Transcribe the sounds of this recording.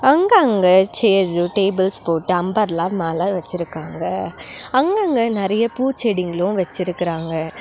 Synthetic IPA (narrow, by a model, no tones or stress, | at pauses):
ɐŋɡɐɐŋɡɐt͡ʃeːd͡ʒɯʈeːbɐlspoːʈːɯɐmbɐɾlaːmaːlaʋɐt͡ʃːɪɾɯkːaːŋɡɐɐŋɡɐŋɡɐnɛɾɐjɐpuːt͡ʃɛɽɪŋɡɐɭʊ̃ʋɐt͡ʃːɪɾɯkːɪɾaːŋɡɐ